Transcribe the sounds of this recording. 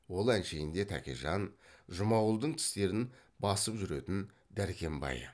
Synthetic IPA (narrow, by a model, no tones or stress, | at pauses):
wo̞lˠænʃe̞jɪnd̪e̞t̪ʰæ̰kʲḛʒɑnʒʊmɑwəlˠd̪əɴt̪ʰɪ̥st̪e̞ɾɪn | bɑsəpʒʏɾe̞t̪ɪn | d̪æɾkʲe̞mbɑ̰jə̰